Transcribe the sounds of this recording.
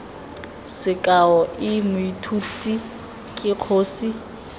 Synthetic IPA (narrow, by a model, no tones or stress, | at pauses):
sɪkʼaɔɪmʊitʰutʼi | kʼɪq͡χʰoːsi